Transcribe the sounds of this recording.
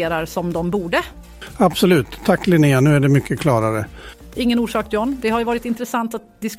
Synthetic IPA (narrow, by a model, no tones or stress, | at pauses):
eːɾaɾsɔmd̪ɔmbuːɖə | absɔlʉ̟ːt̪ʰːakːlɪneːanʉ̟ːæɖɛmʏkʰːəkʰlɑːɾaɾə | ʔɪŋːənuːʂɑːk̚d̪ɔnd̪ɛɦaɾjɵvɑːɾɪt̪ɪnt̪ɾəsant̪at̪̚d̪ɪsk